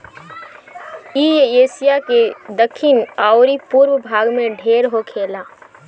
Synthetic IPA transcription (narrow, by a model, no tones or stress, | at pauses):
iːeːsɪjaked̪əkʰːɪnaːoɾipuːɾwəbʱaːɡmẽɖʱeːɾɦokʰeːlaː